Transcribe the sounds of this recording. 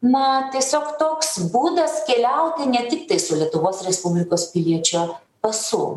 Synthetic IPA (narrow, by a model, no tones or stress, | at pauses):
mɐt̪ʲiɛsʲoːkt̪oːksbuːd̪ɐskʲɛlʲɛʊt̪ʲɪnʲɛt̪ʲɪk̚t̪ɐɪsʊlʲiɛt̪ʊʋoːsɾʲɛspʊbʲlʲɪkoːspʲɪlʲiɛt͡ʃʲʊ | pɐsʊ̰